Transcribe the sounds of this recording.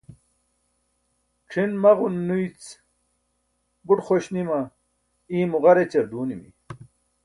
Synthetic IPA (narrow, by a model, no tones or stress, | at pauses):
ʈ͡ʂʰinmɐʁunːujt͡s | buʈχoɕnimɐ | iːmuʁɐɾet͡ɕɐɾd̪uːnimḭ